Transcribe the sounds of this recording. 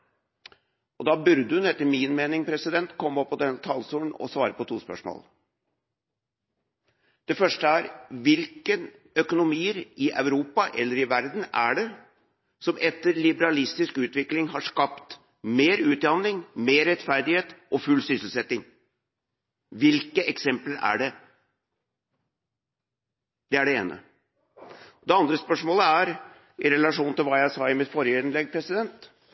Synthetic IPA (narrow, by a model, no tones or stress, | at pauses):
ʔɔd̪ɑːbʉɾd̪əʉnɛt̪ːəɾmɪnmeːnɪŋpʰɾɛsɪd̪ɛnt̪kʰɔmːɔpːɔd̪ɛnt̪ʰɑːlsuːln̩ɔ̰sʋɑːɾəpɔt̪ʰuːspœ̰ʂmo̰ːl | d̪̥ɛfœʂʈəæɾʋɪlkən | œkʊnʊmiːəɾʔɪʔœʉɾuːpɑʔɛlːəɾɪʋæɾd̪n̩æɖɛ | sɔmɛt̪ːəɾlɪbəɾɑlɪst̪ɪskʉːt̪ʋɪklɪŋɦɑʂkɑpt̪ | meːɾʉːt̪̚d̪ɑnɪŋmeːɾɛt̪fæɾd̪ɪheːt̪ʔɔfʉlːsʏsəl̩sɛt̪ːɪŋ | ʋɪlkəʔɛksɛmpləɾæ̰ɖɛ | d̪ɛæɖɛḛːnə̰ | d̪ɛɑnd̪ɾəspœʂmoːləæɾ | ʔɪɾɛlɑʂuːnt̪ʰɪlʋɑːjæɪsɑːɪmɪt̪fɔɾjəɪnlɛɡ̚pʰɾɛsɪd̪ɛnt̪